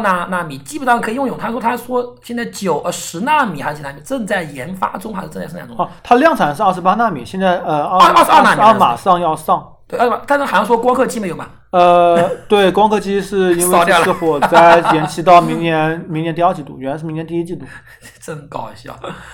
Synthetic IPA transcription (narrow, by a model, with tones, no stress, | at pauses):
na˥˩na˥˩mi˨˩t͡ɕi˥˩pu˧˩tɑ˥˩˧kʰɤ˧˥˨jʊ˥˩ŋjo˨˩ʊt̪ʰʂwɔ˥t̪ʰa˥ʂwɔ˥ɕjɛ˥˧nt͡sa˥˩ɪt͡ɕjo˨˩ʊʔə˧˩ʂɻ̩˧˥na˥˩mi˨˩a˧˥˧na˥˩mi˨˩ʈ͡ʂɤ˥˧ŋt͡sa˥˩ɪjɛ˧˥nfa̰˥ʈ͡ʂʊ˥ŋxa˧˥ʂ̩˥˧˥a̰˧˩ʊ˥˧˥t̪ʰa˥ljɑ˥˩˧ŋʈ͡ʂʰa˨˩nʂɻ̩˥˧ə˥˩ʂɻ̩˧˥pa˥na˥˩mḭ˨˩˦ɕjɛ˥˧nt͡sa˥˩ɪə˧ə˥˧˥ʂɻ̩˧a˥˧na˥˩i˨˥˧ma̰˨˩ʂɑ˥˧ŋjɑ˥˧ʊsɑ˥˩ŋwe˥˩˥t̪ʰa˥n˥xjɑ˥˧˩ʂwɔ˥˧kwɑ˥ŋkʰɤ˥˧˩t͡ɕi˥me˧˥jo˨˩˦mɐ̰˨˩ | ə˧t̪we˥˩ɪkwɑ˥ŋkʰɤ˥˧t͡ɕi˥ʂɻ̩˥˩i˥nwe˥˧jxwɔ˨˩t͡sa˥˧ɪ˧jɛ˧˥nt͡ɕʰi˧˥t̪ɑ˥˩ʊmi˧˥ŋnjɛ˧˥nmi˧˥ŋnjnt̪i˥˧˥ɑ˥˩t͡ɕʰi˧˥t̪ṵ˧˩ɥɛ˧˥la˧ʂɻ̩˥˩i˧˥ŋnɛ˧˥nt̪i˥˧i˥t͡ɕi˥˩ə˨˩ | ʈ͡ʂə˥˩ŋkɑ˥ʊ˧˩ɕ